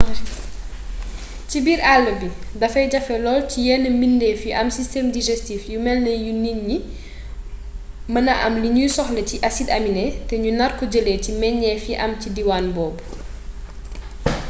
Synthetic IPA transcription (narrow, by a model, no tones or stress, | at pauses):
cibiːɾalːəbidɐfɐjɟɐfɛlɔːlcijɛnːəmindɛːfiʔɐmsistɛmdiʒɛstifjumɛlnəjuninːi | mɐnɐʔɐmliɲujsɔxlɛciʔɐsidɐminɛtɛɲunɐrkɔɟəlɛcimɛɲːɛfiʔɐmcidiwanbɔːbu